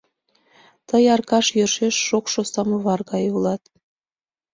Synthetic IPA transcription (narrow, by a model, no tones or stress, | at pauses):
t̪əjɑrkɑʃjørʃeʃːokʃost̪ɑmɤβɑrɣɑjulˠɑt̪